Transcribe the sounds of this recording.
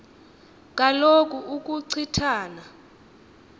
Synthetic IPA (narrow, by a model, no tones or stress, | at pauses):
k̬ʼalok̬ʼuuk̬ʼuǀʰitʰaːna